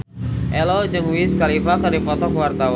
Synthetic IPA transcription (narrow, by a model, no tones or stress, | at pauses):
ʔɛlɔd͡ʒɨŋwiskalifakərdipɔt̪ɔkwart̪awa